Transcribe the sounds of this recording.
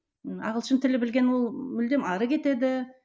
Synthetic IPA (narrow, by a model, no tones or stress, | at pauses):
ɑ̰ʁəlˠʃənt̪ʰɪlɪbɪlɡʲe̞nwo̞lˠmʏld̪e̞mɑɾəkʲʰe̞t̪e̞d̪ɪ